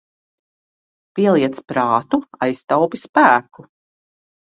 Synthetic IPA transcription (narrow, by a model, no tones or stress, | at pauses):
piɛlˠiɛt̪spɾaːt̪uajst̪awpispæːku